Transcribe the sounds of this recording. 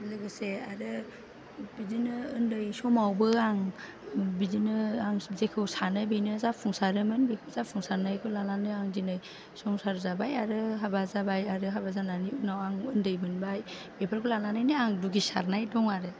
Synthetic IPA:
lɯɡɯseaɾɯ | bizinɯːndɯjsɔmawbɯaŋ | bizinɯaŋzekʰɯwsanɯbɯjnɯzapʰɔŋsaɾɯmɯnbekʰɯwzappʰuŋsaɾnajkʰɯlalanɯaŋzinɯj | sɔmsaɾzabajaɾɯɦabazabajaɾɯɦabazananiunawaŋɯndɯjbɯnbaj | bepʰaɾkʰulananajnɯaŋduɡisa̰ɾnajdɔŋaɾɯ

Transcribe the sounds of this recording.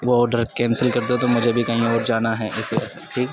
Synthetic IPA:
ʋoːɖɪɾekɛːnsəlkɐɾt̪eɛt̪omʊd͡ʒʱebʱikɐɦĩɔːɾd͡ʒaːnaɦɛʔɪseɛːsaʈʰiːk

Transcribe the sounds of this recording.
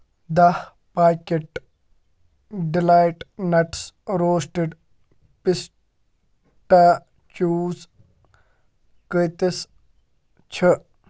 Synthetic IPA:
d̪ɐh | paːkeʈ | ɖilaːjʈnɐʈsɾoːsʈeɖ | pis | ʈa | t͡ʃuːz | kəjt̪is | t͡ʃʰə

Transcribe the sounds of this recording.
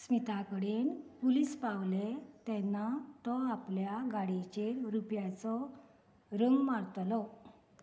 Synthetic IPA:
smit̪akəɽenpulispawlet̪ɛnːat̪ɔapljaɡaɽit͡ɕeɾɾupjat͡sɔ | ɾəŋɡmaɾt̪lɔ

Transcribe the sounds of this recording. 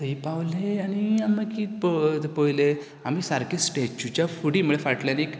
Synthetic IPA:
t̪ipawleaniamːəɡkiːpt̪epojle | amiːsaɾkesʈet͡ɕut͡ɕafuɽiːm̤əɭefaʈlenek

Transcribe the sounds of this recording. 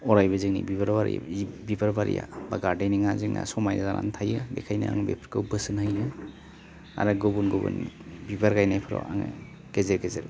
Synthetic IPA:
ɔɾajbɯziŋnḭbibaɾbaɾḭj̰bibaɾbaɾḭja̰baɡaɾdejniŋaziŋnasɔmajazana̰ntʰajɯdekʰajna̰a̰ŋbepʰɾkʰɯwbɯsɯnhɯjnɯ | a̰ɾɯɡobunɡobṵnbibaɾɡajnajpʰɯɾɔ̰aŋ | ɡ̥ezeɾɡezeɾ

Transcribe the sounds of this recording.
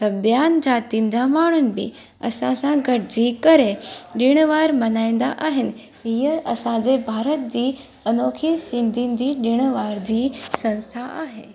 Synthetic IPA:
t̪ɐbjaːnd͡ʑaːt̪in̆d͡ʑamaːɳ̤ʊnɪ̆bɪ̰ | ɐ̰sãsãɡʱɐʈd͡ʑiːkɐɾeɗɪɽ̃ʋaːɾmɐnaːĩnd̪a̰ʔaːɦɪnɪ̆ | ɦiːəɐsãd͡ʑeːbʱaːɾət̪̚d͡ʑiː | ɐnoːkʰisɪ̃nd̪ʱinɪ̆d͡ʑiːɗɪɽ̃ʋaːɾd͡ʑiːsɐ̃nst̪ʰaʔaːɦeː

